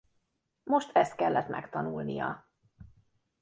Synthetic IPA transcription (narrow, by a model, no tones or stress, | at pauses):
mo̞ʃt̪ʰɛst̪̚kɛlːɛt̪mʔɛkt̪ɒnulnijɒ̰